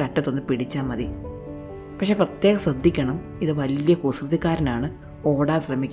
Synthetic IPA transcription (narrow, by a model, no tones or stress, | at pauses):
kɐʈːɐt̪ːo̞nːɨpiɽit͡ɕːaːmːɐði | pɐkʂe̞ːprɐt̪je̞ːɣɐsrɐd̪ʱːikʲːɐɳɐm | iðɨʋɐlijɐkusrɨðikːaːɾɐnaːɳɨ | o̞ːɽaːlɕrɐmikʲː